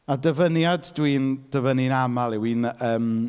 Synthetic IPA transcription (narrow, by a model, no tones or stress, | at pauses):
adəvənjaddwiːnd̥əvəninamalˠɪwiːnəːm